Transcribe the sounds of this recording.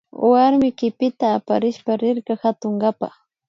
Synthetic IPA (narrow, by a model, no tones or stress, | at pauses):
waɾmɪkɪpɪt̪aːpaɾɪʃpaɾɪɾkahat̪oŋɡapa̰